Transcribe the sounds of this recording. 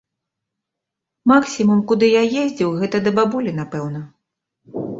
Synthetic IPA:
maksʲimumkud̪ɨjajezʲd͡zʲiwɣɛt̪ɐd̪ɐbabulʲin̪apɛwnɐ

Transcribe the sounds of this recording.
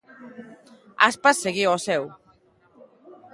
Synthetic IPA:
a̰spasːeɣiɔsɛw

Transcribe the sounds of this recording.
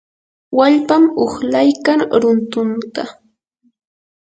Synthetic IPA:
waʎpamoχlajkaŋɾʊnt̪ʊnt̪a

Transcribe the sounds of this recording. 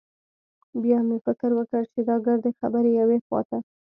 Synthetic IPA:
bjɑmefɪkəɾwəkəɽt͡ʃed̪ɑɡəɾd̪əxabəɾejawexwɑ̰t̪a

